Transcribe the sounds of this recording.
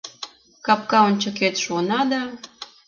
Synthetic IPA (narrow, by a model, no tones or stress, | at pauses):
kɑp̚kɑonʲt͡ɕə̆ket̪ʃuənɑd̪ɑ